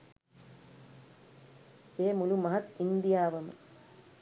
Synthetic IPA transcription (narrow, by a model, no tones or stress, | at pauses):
eːmʊlumɐɦɐt̪ind̪ɪjaːʋɐm̰